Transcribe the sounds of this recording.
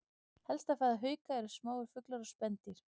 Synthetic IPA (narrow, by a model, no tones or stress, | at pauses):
hɛlst̪afθaːðaɦœːɥkaɛɾʏ̥smaːwʏɾ̥fʏklaɾɔspɛnt̪ɪɾ̥